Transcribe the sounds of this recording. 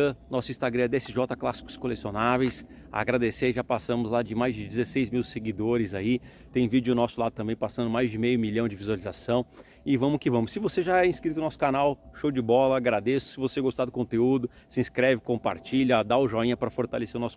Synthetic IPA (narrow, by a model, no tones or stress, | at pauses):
ɐnɔsʊĩst̪aɡɾɐ̃d̪ɛsɪʒɔt̪ɐklasi̥kʊ̥skolesionavejs | a̰ɡɾad̪eseʒapasɐ̃mʊzlad͡ʒɪmajzd͡ʒɪd͡ʒɪzesejzmiwseɡid̪oɾɪzai | t̪ẽj̃vid͡ʒʊnɔsʊlat̪ɐ̃mbẽj̃pasɐ̃nd̪ʊmajzd͡ʒɪmejʊmiʎɐ̃w̃d͡ʒɪvizuwalizasɐ̃w̃ | ɪvɐ̃mʊkɪvɐ̃mʊssɪvoseʒaɛĩskɾit̪ʊnɔsʊ̥kanawʃowd͡ʒɪbɔlɐaɡɾad̪esʊ̥sɪvoseɡost̪ad̪ʊkõnt̪eud̪ʊ | sɪĩskɾɛvɪkõpa̰ɾt͡ʃiʎɐad̪aʊʒɔĩɲɐpɾɐfoɾt̪aleseɾʊnɔsʊ̥